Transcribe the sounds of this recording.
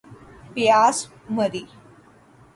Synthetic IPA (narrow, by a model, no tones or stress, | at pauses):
pijaːs | məd̪i